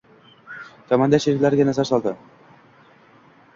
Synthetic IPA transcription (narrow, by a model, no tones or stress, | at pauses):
t̪ʰɒmand̪aʃeɾkʲlaɾɡʲanazaɾsɒlˠd̪ɪ